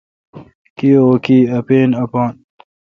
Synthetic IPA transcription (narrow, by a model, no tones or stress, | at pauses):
kiːoːkiːɐpeːnɐpaːn